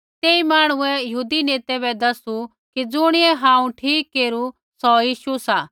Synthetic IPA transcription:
t̪eːimaːɽ̃ʊ̃ɛ̃jɐɦuːd̪ineːt̪ɛbɛd̪ɐsu | kid͡zʊɽ̃ɪɛɦãːũʈʰiːkːeːɾu | sɔjiːʃusaː

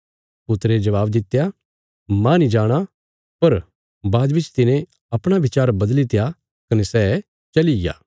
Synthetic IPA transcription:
pʊt̪ɾed͡ʒɐʋaːbd̪ɪt̪ːja | mãnĩd͡ʒaːɽ̃a | pɐɾ | baːd̪bɪt͡ʃt̪ɪnẽ | ɐpɽ̃abɪt͡ʃaːɾbɐd̪lit̪eja | kɐnɛsɛː | t͡ʃɐlɪja̰ː

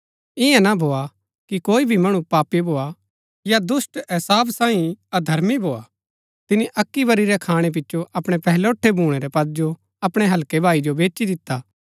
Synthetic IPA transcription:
ɪjãnabʱoːa | kikoːibʱimɐɽ̃ũpaːpibʱoːa | jad̪ʊsʈɪsaːbsãːĩɐd̪ʱɐɾmibʱoːa | t̪ɪniʔɐkːibɐɾiɾɛkʰaːɽ̃ep̬ɪtːʃoʔɐpɽ̃epɛɦloːʈʰːebʱuːɽ̃eɾɛpɐd̪̚d͡ʒo | ɐpɽ̃eɦɐlkebʱaːid͡ʒobeːt͡ʃid̪ɪt̪ːaː

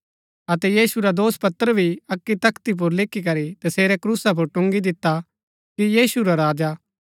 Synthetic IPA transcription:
ɐt̪ɛjiːsuɾad̪oːspɐt̪ːəɾəbʱiɐkːit̪ɐkt̪ip̬ʊɾlɪkʰːikɐɾit̪ɐseːɾɛkɾuːsap̬ʊɾʈʊ̃ŋɡid̪ɪt̪ːa | kijiːsuɾaɾaːd͡ʒa

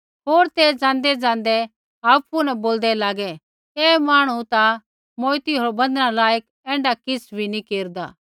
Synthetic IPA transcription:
ɦoːɾt̪ed͡zãːnd̪ɛd͡zãːn̆d̪ɛ | aːpunɛ̃boːld̪ɛlaːɡɛ | ɛːmaːɽ̃ut̪a | moːt̪iɦoːɾbɐ̃nd̪nãlaːjək | ɛ̃ːɳɖakɪsʰbʱinĩkeːɾd̪a̰ː

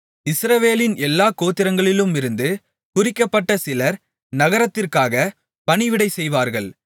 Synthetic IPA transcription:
ɪsɾɐʋeːlɪnɛlːaːkoːt̪ːɪɾɐŋɡɐɭɪlɯmɪɾɯnd̪ɯ | kʊɾɪkːɐpːɐʈːɐsɪlɐɾ | nɐɣɐɾɐt̪ːɪrkaːɣɐ | pɐɳɪʋɪɽɐɪsɛjʋaːɾɣɐɭ

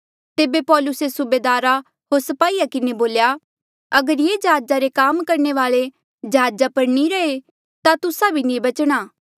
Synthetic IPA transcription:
t̪eːbepɔːlʊsesʊbeːd̪aːɾa | ɦoɾsɐpaːiːakɪneboːlja | ɐɡəɾjeːd͡ʒɐɦaːd͡ʒaɾekaːmkɐɾneʋaːɭe | d͡ʒɐɦaːd͡ʒapɐɾniɾɐe | t̪at̪ʊsabʱinĩbɐt͡ʃɽ̃aː

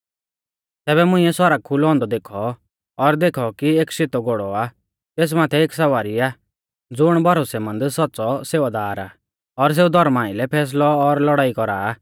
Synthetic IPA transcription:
t̪ɛːbɛmʊ̃ĩɛsɔɾəɡ̚kʰʊlɦɔ̃ːnd̪ɔd̪eːkʰɔː | ɾd̪eːkʰɔkieːksɪt̪ɔɡoɽɔa | t̪eːs̬maːt̪ʰɛeːks̬ɐʋaːɾiaː | d͡zʊɽ̃bʱɔɾosɛmɐ̃nd̪sɔtːsɔseːʋad̪aːɾa̰ː | ɔɾs̬eːud̪ʱɔɾmaːɪlɛpʰɛːs̬lɔːɾlɔɽaːikɔɾaː

